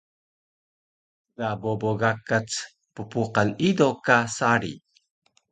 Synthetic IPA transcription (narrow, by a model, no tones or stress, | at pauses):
ɡaboboɡakat͡s | pəpuqalidokasaɾḭ